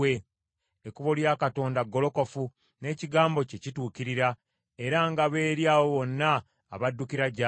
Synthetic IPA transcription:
e | ekuβoljaːkato̞ːndaɡːo̞lo̞ko̞fu | ne̞ːciɡaːmbo̞cecituːkiɾiɾa | e̞ɾaŋɡaβe̞ːɾjaːwo̞βo̞nːa̰ː | βadːukiɾaɟa

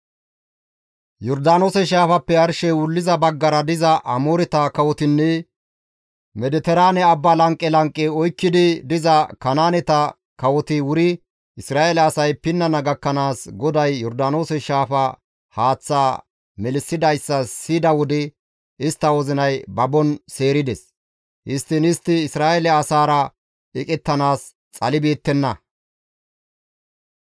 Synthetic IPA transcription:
jɔɾd̪aːno̞ːsɛʃaːfɐpːɛɐɾʃɛwʊlːɪzɐbɐɡːɐɾɐd̪ɪzɐʔɐmoːɾɪt̪ɐkɐwɔt̪ɪnːɛ | mɛd̪ɛt̪ɛɾaːnɛɐbːalɐŋkʼːɛlɐŋkʼːɛɔjkːɪd̪ɪd̪ɪzɐkɐnaːnɛt̪ɐ | kɐwɔt̪ɪwʊɾɪ | ʔɪsɾaːʔelɐːsɐjpɪnːɐnɐɡɐkːɐnaːsɡɔd̪ɐjːɔɾd̪ano̞ːsɛʃaːfɐ | haːt͡sːaː | mɛlɪsːɪd̪ɐjsːɐsid̪ɐwɔd̪ɛ | ɪst̪ːɐwɔzɪnɐjbɐbɔnse̞ːɾɪd̪ɛs | ʔɪst̪ːɪnɪst̪ːɪːsɾaːʔɛlɛɐsaːɾɐ | ɛkʼɛt̪ːɐnaːs | t͡sʼɐlɪbeːt̪ːɛnːɐ

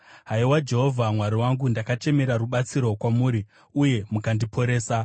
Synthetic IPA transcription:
ɦaiwad͡ʒe̞ɦo̞vʱamwaɾiwaŋɡundakat͡ʃe̞me̞ɾaruɓat͡siɾo̞kwamuːɾi | uje̞mukandipʰo̞ɾe̞ːsa

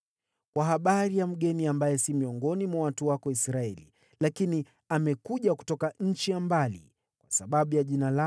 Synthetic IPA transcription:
kwaɦaɓaɾijam̩ɠɛniambajɛsimiɔŋɡɔnimwawatuwakɔisɾaɛlḭ | lakini | amɛkuʄaku̥tɔkaɲ̩t͡ʃijambalḭ | kwasaɓaɓujaʄinala

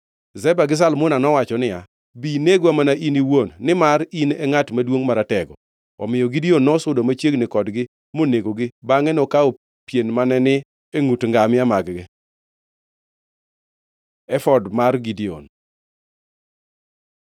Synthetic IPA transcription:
zɛbaɡɪs̬almʊnanɔwat͡ʃɔnɪja | bineɡamanaʔiniwonːɪmaɾinɛŋatmadwoŋmaɾatɛɡɔ̰ | ɔ̰mɪjɔɡidionːɔsʊdomat͡ʃjeɡnɪkɔdɡɪ | moneɡoɡɪbaŋɛnɔkao | pjenmanɛnɪ | eŋutŋɡamɪamaɡɡɪ | ɛfɔdmarɡidio̰n

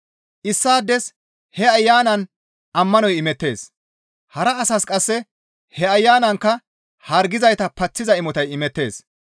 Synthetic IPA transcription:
ʔɪsːaːd̪ɛs | hɛɐjːaːnɐn | ʔɐmːɐnɔjɪmɛt̪ːe̞̰ːs | hɐɾɐːsɐskʼɐsːɛ | hɛɐjːaːnɐŋkːɐ | hɐɾɡɪzɐjt̪ɐpɐt͡sːɪzɐɪmɔt̪ɐjɪmɛt̪ːe̞ːs

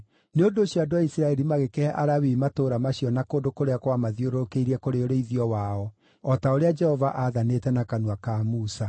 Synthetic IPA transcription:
neondoːɕiadoaisiɾaɛɾimaɣekeɛʔaɾawimatoːɾamaɕiɔnakoːndokoɾeakwamaðioɾoɾokeiɾɛkoɾeoɾeiðiɔwaɔ | ɔtaoɾead͡ʒɛhɔvaʔaðanetɛnakanwakamusa

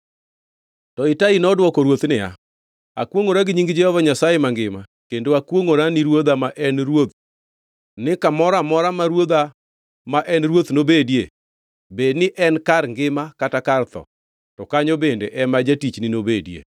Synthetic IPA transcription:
tɔɪtainɔdwɔkoɾwot̪nɪa̰ | a̰kwoŋoɾaɡɪɲiŋɡɪd͡ʒɛhɔvaɲasajemaŋɡɪma | kendoakwoŋoɾanɪɾwod̪amaʔɛnɾwot̪̚ | nɪkamɔɾamɔɾamaɾwod̪a | maʔɛnɾwot̪nobedje | bednɪʔɛnkaɾŋɡɪmakatakart̪ɔ̰ | tɔkaɲobendeʔɛmad͡ʒatit͡ʃnɪnobedjḛ

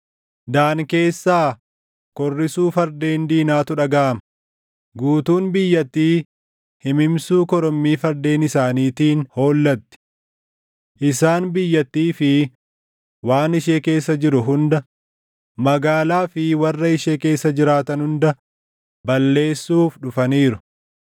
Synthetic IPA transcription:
d̪aːŋke̞ːsːaː | kɔrːɪsuːfɐɾd̪e̞ːnd̪iːnaːt̪ʊᶑɐɡɐʔɐmɐ | ɡuːt̪uːnbɪjːɐt̪ːiː | hɪmɪmsuːkɔɾɔmːiːfɐɾd̪e̞ːnɪsaːniːt̪iːnho̞ːlːɐt̪ːɪ̥ | ʔɪsaːnbɪjːɐt̪ːiːfɪ | waːnɪʃeːke̞ːsːɐd͡ʒɪɾʊɦʊnd̪ɐ | mɐɡaːlaːfɪwɐrːɐɪʃeːke̞ːsːɐd͡ʒɪɾaːt̪ɐnhʊnd̪ɐ | bɐlːe̞ːsːuːfᶑʊfɐniːɾʊ

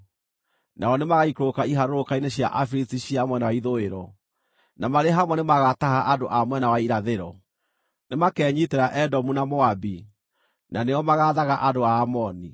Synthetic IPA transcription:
naɔnemaɣaikɾokaiɦaɾoɾokaineɕja̰ʔafiɾistiɕiamwɛnawaiðoeɾɔ | namaɾeɦamwɛnemaɣatahaʔadoʔamwɛnawaiɾaðeɾɔ | nemakɛːɲiteɾaʔɛdɔmunamoabi | naneɔmaɣaðaɣaʔadoaːmɔni

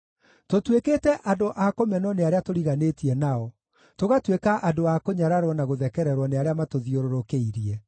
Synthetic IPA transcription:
totweketɛʔadoʔakomɛnɔneaɾeatoɾiɣanetiɛnaɔ | toɣatwekaʔadoakoɲaɾaɾwɔnaɣoðɛkɛɾɛɾwɔneaɾeamatoðioɾoɾokeiɾiɛ

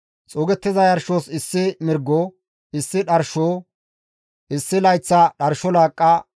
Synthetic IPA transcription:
t͡sʼoːɡɛt̪ːɪzɐjɐɾʃoːsɪsːɪmɪɾɡːoː | ɪsːɪᶑɐɾʃoː | ʔɪsːɪlɐjt͡sːɐɗɐɾʃɔlaːkʼːɐ

